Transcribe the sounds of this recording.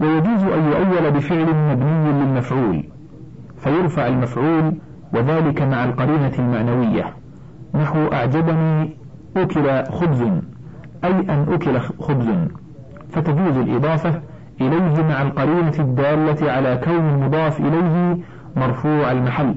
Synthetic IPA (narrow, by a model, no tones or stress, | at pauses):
wajad͡ʒuːzʔanjʊʔajːalabɪfɪʕlɪmabnɪjːlɪlmafʕuːl | fajʊɾˤfaʕalmafʕuːl | waðaːlɪkamaʕalqɑɾiːnalmaʕnawɪjːa̰ | naħwʔa̰ʕd͡ʒabaniː | ʔʊkɪlaxʊbzn | ʔajʔanʔʊkɪlaxʊbzʊn | fat̪ad͡ʒuːzalʔɨ̰d̪ˤɑːfa | ʔɪlajɦɪmaʕalqɑɾiːnad̪ːaːlːaʕalaːkawnalmʊd̪ˤɑːfʔɪlajɦɪ | mɑɾˤfuːʕalmaħalː